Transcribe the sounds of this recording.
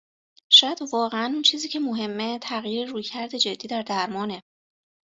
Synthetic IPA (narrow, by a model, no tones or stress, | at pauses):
ʃɔːjæd̪vɒːɣeænunt͡ʃʰiːziːcʰe̞moɦe̞mːet̪ʰæɣjiːɾeɾuːjcʰæɾd̪e̞d͡ʒe̞d̪ːiːd̪æɾd̪æɾmɒːne̞